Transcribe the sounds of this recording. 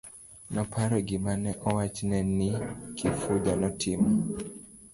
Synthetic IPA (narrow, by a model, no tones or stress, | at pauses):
nɔpʰaɾɔɡɪmanɛʔɔwat͡ʃnɛnɪkʰifudanɔtʰɪmɔ